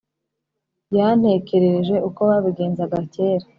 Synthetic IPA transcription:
jan̥he̞ce̞ɾeʒe̞uko̞βaβiɡe̞ːnzaɡace̞ːɾa

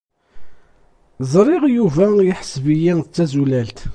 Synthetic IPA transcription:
zˤɾˤɪʁjuvæjɪħə̥svəjænət͡sːæzulælt̪

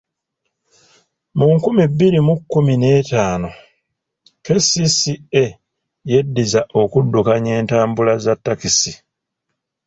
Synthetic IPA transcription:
muŋkumibːiɾimukːumine̞ːtaːno̞ | ke̞sisie | je̞dːizaʔo̞kudːukaɲe̞ːntaːmbulazatːakisi

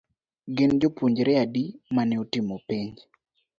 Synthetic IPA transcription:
ɡɪnd͡ʒopuɲd͡ʒɾɛadimanɛotɪmopiɲd͡ʒ

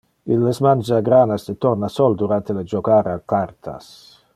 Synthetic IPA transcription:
ilːesmand͡ʒaaɡɾaːnasd̪et̪ɔrnasɔld̪uɾant̪eled͡ʒokaːɾakːart̪ʰa̰s

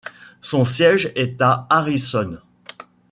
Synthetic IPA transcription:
sɔ̃sjɛʒɛt̪aaʁisɔn

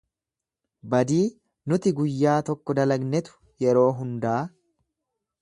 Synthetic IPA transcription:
bɐd̪iː | nʊt̪ɪɡʊjːaːt̪ɔkːɔd̪ɐlɐɡnɛt̪ʊ̥ | jɛɾo̞ːɦʊnd̪ɐʔː

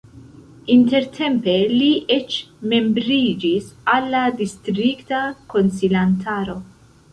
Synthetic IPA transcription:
int̪eɾt̪ʰɛmpeliɛt͡ʃme̞mbɾiːd͡ʒisalːad̪ist̪ɾikt̪ɐkonsilant̪ʰaːɾo̞

